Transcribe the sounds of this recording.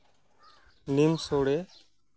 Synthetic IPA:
nimsoːɽeː

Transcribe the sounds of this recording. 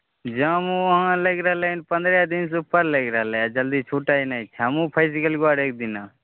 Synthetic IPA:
d͡ʒəmũɦãləɡɾəɦlenipə̃nd̪ɾjad̪ins̬upəɾləɡɾəɦlead͡ʒəld̪it͡ʃʰuʈainait͡ʃʰamũpʰəɪs̬ikəlɡuaɾek̚d̪ina

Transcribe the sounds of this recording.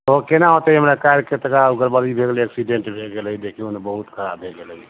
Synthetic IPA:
t̪okenaɦot̪əɦəmɾakaɾket̪əkauɡəɾbəlibʱeɡliəksiɖeɳʈbʱeɡeləid̪ekʰionebəɦut̪kʰəɾa̰bʱːeɡeli

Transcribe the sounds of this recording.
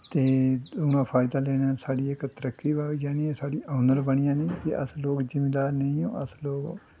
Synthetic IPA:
t̪eːʊnãːpʰaːɪd̪aːlɛːnaːsaːɖiːɪkt̪əɾəkʰːiːjaːniesaːɖiːʔaːnəɾbəɽ̃ɪjãːniːkɪə̰sloːkd͡ʒɪmɪd̪aːɾneĩõ̰ːʔəsloːɡ

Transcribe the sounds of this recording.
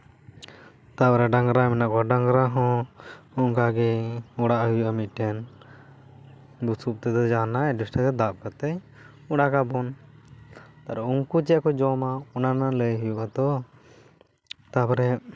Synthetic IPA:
t̪apɔɾɛɖaŋɡɾamɛnaʔkɔaɖaŋɡɾaɦɔ̃ɔŋkaɡɛɔɽaʔɦujuʔamit̪̚ˀʈɛn | busup̚t̪ɛd̪ɛd͡ʒanaɖusʈat̪ɛd̪ap̚kət̪əj | ɔɽakabɔn | t̪aɾɛuŋkut͡ʃɛʔkɔd͡ʒɔmaɔnanaləjɦujuʔat̪ɔ | t̪apɔɾɛ

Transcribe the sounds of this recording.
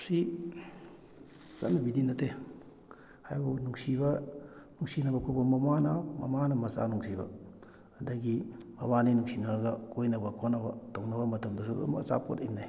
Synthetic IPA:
si | sɐ̰nɐbidinɐtʰe | hajbunuŋsibɐnuŋsinɐbɐkʰobɐmɐmanɐmɐ̰manɐmɐsa̰nuŋsibɐ̰ | ɐdɐɡimɐbaninuŋsinɐɡɐkojnɐbɐkʰonɐbɐtoŋnɐbɐmɐtɐmdɐsṵmɐsa̰po̰tinːaj

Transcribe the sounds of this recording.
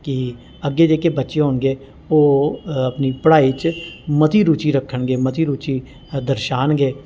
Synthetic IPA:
kɪ | əɡːeːd͡ʒeːkebətːʃeɦoːnɡeː | oːəpniːpəɽaːit͡ʃmət̪ʰiːɾuːt͡ʃiːɾəkʰːəɳɡeːmət̪ʰiːɾuːt͡ʃiː | d̪əɾʃaːnɡeː

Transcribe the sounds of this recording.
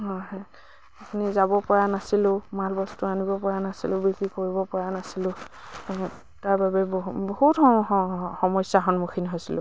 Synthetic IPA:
ɦɔjɦɔj | apunizabɔpɔɹanasilʊ̃malbɔstʊanibɔpɔɹanasḭlʊ̃biɡikoɹibɔpɔɹanasilʊ̃ | taɹbabɛbbɔhut | xɔmɔjsaɦɔnmuxʰinɦojsilʊ̰̃

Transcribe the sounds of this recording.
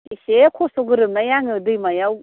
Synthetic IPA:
isekʰosɔɡɯɾɯmnajaŋɯdɯjmajaw

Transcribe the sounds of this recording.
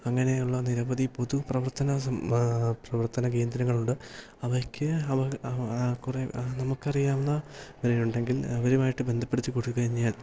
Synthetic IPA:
ɐŋːɐne̞uɭːɐniɾɐbɐðipo̞ðuprɐʋɐrt̪ɐnɐ | prɐʋɐrt̪ɐnɐk̬e̞ːnd̪ɾɐŋːɐɭuɳɖɨ | ɐʋɐkʲːɨɐʋɐ | kure̞nɐmukːɐrijaːunːɐʋɐɾɐjuɳɖe̞ŋɡilɐʋɐɾumaːjiʈːɨbe̞nd̪ʱɐpːe̞ɽit͡ɕːukoɽukːɐɾiɲːaːl

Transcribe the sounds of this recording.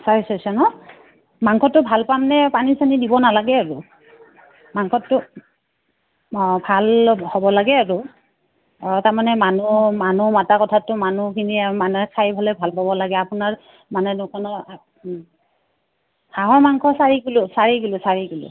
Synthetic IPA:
saɹisɔsɔnɔ | maŋkʰɔtːʊbʱalpamnɛpanisanidibɔnalaɡɛaɹʊ | maŋkʰɔtːʊ | bʱalhobɔlaɡɛaɹʊ | taɹmanɛmanumanumatakɔtʰatʊmanukʰinimanɛkʰajbʱalɛbʱalpabɔlaɡɛapʊnaɹ | manɛnʊkʰɔnɔ | haɦɔɹmaŋkʰɔsaɹiɡulʊsaɹiɡulʊsaɹiɡulʊ̰

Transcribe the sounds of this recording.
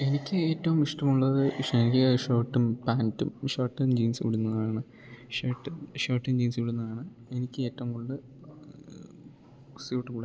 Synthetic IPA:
e̞nikʲːɨe̞ːtːɐʋumiʂʈɐmuɭːɐðɨʂɐiɐʂo̞ːʈːumpaːntːumʂoːʈːɨmd͡ʑiːnsɨʋiɽunːɐðaːɳɨ | ʂoːʈːɨɕoːʈːɨmd͡ʑiːnsɨʋiɽunːɐðaːɳɨ | e̞nikʲːɨeːtːɐʋumkoɳɖɨ | sjuːʈːɨkuɽ

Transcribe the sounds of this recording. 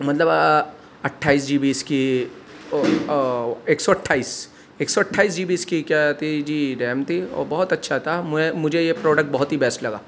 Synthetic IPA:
mɐt̪ləb | ɐʈʰːaːiːsd͡ʒiːbiːski | eːksɔɐʈʰːaːiːs | eːksɔɐʈʰːaːiːs̬d͡ʒiːbiːskikjat̪ʰid͡ʒiːɖɛːmt̪ʰiɔ̰ːɾbɐɦʊt̪ɐtːʃʰat̪ʰammʊd͡ʒʱejepɾɔːɖək̚ʈ̚bɐɦʊt̪ɦibɛːsʈlɐɡaː

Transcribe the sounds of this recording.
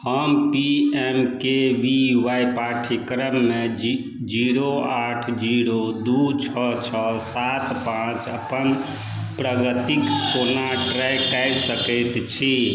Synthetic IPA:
həmpiemkebiʋajpaʈʰikɾəmːe | d͡ʒiɾoaʈʰd͡ʒiɾod̪ut͡ʃʰɔt͡ʃʰɔsat̪pãt͡ʃəpən | pɾəɡət̪ikkonaʈɾajkajsəkəjt̪t͡ʃʰi

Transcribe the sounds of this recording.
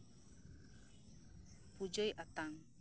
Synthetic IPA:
pud͡ʒəjʔat̪aŋ

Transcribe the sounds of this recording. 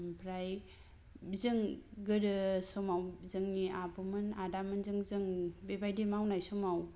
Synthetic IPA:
mpʰɾaj | bizɯŋɡɯɾɯsɔmawzɯŋniabɯmɯnadamɯnzɯŋzɯŋbebajdemawnajsɔmaw

